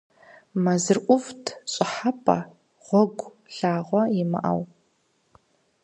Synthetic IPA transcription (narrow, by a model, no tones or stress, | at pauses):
mɐzɨrʔʷʊvtʰɕʼɪħapʼɐ̰ | ʁʷɔɡʷ | ɬaːʁʷɔɪmɨ̰ʔɐ̰w